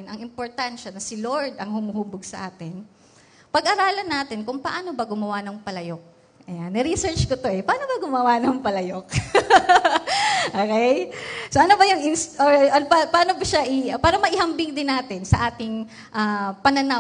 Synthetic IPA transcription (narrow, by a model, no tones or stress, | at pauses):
nʔɐŋɪmpoɹt̪anʃɐnɐsɪloɹd̪ɐŋhʊmuhuːboɡ̚sɐ̰ʔaːt̪ɪn | pɐɡʔɐɾaːlɐnːaːt̪ɪnkʊŋpɐʔaːno̞bɐɡʊmɐwanɐŋpɐlɐjok̚ | ɐjanːɐɾisɛɹt͡ʃkot̪o̞ʔɛpɐʔaːno̞bɐɡʊmɐwanɐŋpɐlɐjok̚ | ʔoːkɛjsoʔɐnobɐjʊŋɪnsoɐnpapɐʔaːnobɐʃaʔɪpaːɾɐmɐʔɪhɐmbɪŋd̪ɪnːaːt̪ɪnsɐʔaːt̪ɪŋ | ʔapɐnɐna